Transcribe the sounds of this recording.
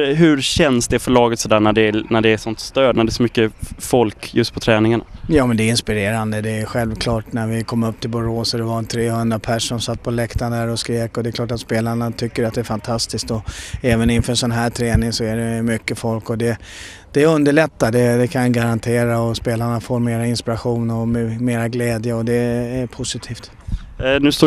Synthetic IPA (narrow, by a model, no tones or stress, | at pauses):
ɦɵɾɕɛnsd̪ɛæfœɭɑːɡət̪sɔd̪æːɳæɖɛnæɖɛːsɔnt̪st̪øːd̪næɖɛsɔmʏkːəfɔlkjɵst̪pʰɔt̪ʰɾɛːnɪŋaɳa̰jɑːmɛnd̪ɛɪnspɪɾeːɾand̪əd̪ɛːɧɛlvkʰlɑːʈnæɾvɪkʰɔmːɵpːt̪ʰɪlbʊɾoːsɔd̪ɛvant̪ʰɾeːhɵnd̪ɾapʰæʂːɔmsat̪ːpʰɔlɛkt̪and̪æɾɔskɾeːkɔd̪ɛːkʰlɑːʈat̪speːlaɳat̪ʰʏkːəɾat̪̚d̪ɛːfant̪ʰast̪ɪskt̪ɔɛːvənɪnfœɾɛnsɔnɦæːʈ̪ʰɾɛːnɪŋsɔæɖɛmʏkːəfɔlkɔd̪ɛ | d̪̥ɛːɵnd̪əɭɛt̪ːad̪ɛd̪ɛkʰanɡaɾant̪ʰeːɾaɔspeːlaɳafoːɾmeːɾaɪnspɪɾaɧuːnɔmɛmeːɾaɡlɛːd̪jəɔd̪ɛæɾpʰʊsɪt̪ʰiːft̪ | nʉst̪oː